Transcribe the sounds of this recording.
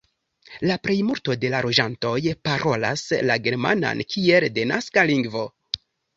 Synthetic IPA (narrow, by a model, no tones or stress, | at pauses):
lapɾe̞jmuɾto̞de̞laɾo̞d͡ʒanto̞jpaɾʔo̞la̰slaɡe̞ɾma̰na̰nkʰie̞lde̞naskaliŋɡvo̞